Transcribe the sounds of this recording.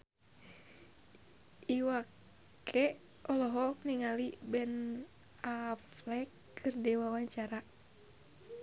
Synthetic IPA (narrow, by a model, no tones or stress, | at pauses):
ʔiwa | kʰɛ | ʔɔlɔɦɔk̚niŋalibɛn | aflɛkːɨrdɛwawaɲt͡ʃaɾa